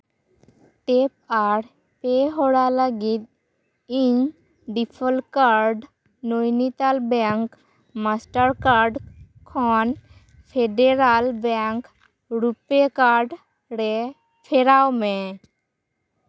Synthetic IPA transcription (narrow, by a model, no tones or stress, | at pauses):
ʈep̚aɽ | peɦoɽalaɡit̪̚ | ĩ | ɖipʰəlkaɾɖ | nojnit̪albɛŋk | masʈəɾkaɾɖ | kʰɔn | pʰeɖeɾalbɛŋk | ɾupekaɾɖ | ɾe | pʰeɾawmẽ